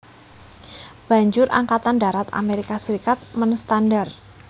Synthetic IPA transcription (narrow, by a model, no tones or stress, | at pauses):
b̥a̤ɲd͡ʒʊɾʔa̰ŋkat̪anda̤ɾat̪a̰meɾikasəɾikat̪̚mənst̪andar